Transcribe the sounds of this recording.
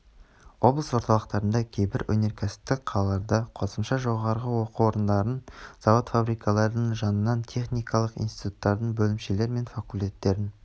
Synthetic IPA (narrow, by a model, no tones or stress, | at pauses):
wo̞blˠəswo̞ɾt̪ɑlˠəqt̪ɑɾənd̪ɑkʲʰe̞jbɪɾwɵne̞ɾkʲʰæsɪ̥p̚t̪ːɪk̚qʰɑlˠɑlˠɑɾd̪ɑqʰo̞səmʃɑʒo̞ʁɑɾʁəwo̞quwo̞ɾənd̪ɑɾənz̥ɑwot̪fabɾijkʰɑlˠɑɾəd̪əɴʒɑnənːɑnt̪ʲʰe̞χnijkɑlˠəqḭjnst̪i̥t̪u̥t̪ːɑɾd̪əɴbɵlɪmʃe̞le̞ɾme̞nfakulʲt̪ʲe̞t̪ːe̞ɾɪn